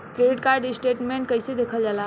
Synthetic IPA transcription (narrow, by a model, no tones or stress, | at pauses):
kɾeɖiʈ̚kaɾɖisʈeʈmeɳʈ̚kəɦsed̪ekʰəld͡ʒala